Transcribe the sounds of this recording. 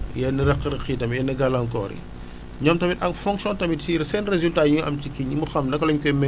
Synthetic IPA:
jɛnːiɾɐqːɾɐxitɐmjɛnɐɡɐlɐŋkɔ̰ːɾḭ | ɲɔmtɐmitɐŋfɔŋksjɔ̃ntɐmitsiɾsɛːnrezyltaːɲuɐ̰mcikiɲimbuxɐmnɐkːɐlɔɲkɔmɛ

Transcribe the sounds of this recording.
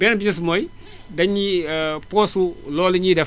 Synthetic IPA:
bɛnbisɐs̬mɔj | dɐɲːipɔːsulɔːliɲidɛ

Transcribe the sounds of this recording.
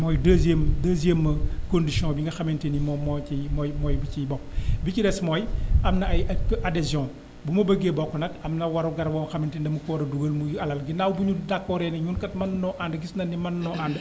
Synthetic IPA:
mɔjdɐzemdɐzemːɐkondisiɔ̃biŋɡɐxɐmintinimɔmɔimɔjmɔjbicibɔkbicidɛsmɔːjɐmnɐɐjʔadɛzjɔ̃ː | bumɐbɐɡebɔkːɔnɐkɐmnɐwɐɾuɡɐɾbɔːmɐxɐmintindɐmukɔɾɐduɡɐlmuɐlɐlɡinawbuɲudakːɔɾɛnɐɲunkɐtmɐnnɔʔandəɡisnɐnːimɐnnɔʔand

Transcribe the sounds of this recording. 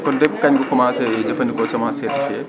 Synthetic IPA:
kɔndɛb̚kɐɲɡɔkɔmaːsɛd͡ʒɐfɐndikɔsɛmasɛdifɛ

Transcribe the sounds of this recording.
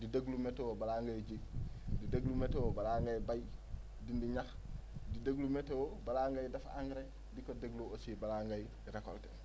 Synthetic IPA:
dideɡlumetewobalaːŋɡajd͡ʒidideɡlumetewobalaːŋɡajbaj | dindiɲax | dideɡlumetewobalaːŋɡajdɐfaŋɡɾe | dikodeɡluosibalaŋɡaj | ɾakoltḛ

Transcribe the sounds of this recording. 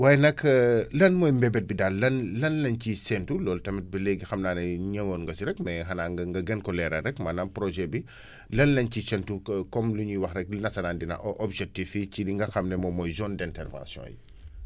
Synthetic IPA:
waːjɛnɐkʰlɐnmɔːjmbɛbɛt̚bidalːɐnlɐnlɐncisɛntulɔːltɐmɛt̚bɐlɛɡixɐmnaːnɐɲɐwonŋɡɐsiɾɛkmɛɦɐnaɡɐŋɡɐɡɛnkɔlɛɾɐɾɛkmɐnapɾɔʒɛbi | lɐnlɐncisɛntukɔmluɲuwɐxrɛk̚linɐsɐnaːndinɐ̰ʔɔʔɔbʒɛk̚tificidiŋɡɐxɐmnɛmɔmɔjzɔndɛntɛrvã̰nsjɔ̰̃ːjḭ

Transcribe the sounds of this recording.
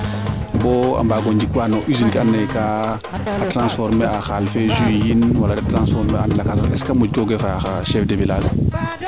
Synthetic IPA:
bɔa̰mbaːɡoɲd͡ʒikuanɔʔizinkianːajkaː | tɾãnsfɔɾmeaxalfezujinwaladatɾãnsfɔɾmeanlakasɔɛ̰skamuɡoɡefaxaʃɛfdebilal

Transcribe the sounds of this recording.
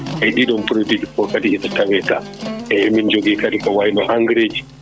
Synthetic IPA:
ʔajɗiɗɔmpuɾodid͡ʒikɔkadihisatawɛta | ɛmind͡ʒoɡiːkaɗikɔwajnɔʔaŋɡɾeːd͡ʒi

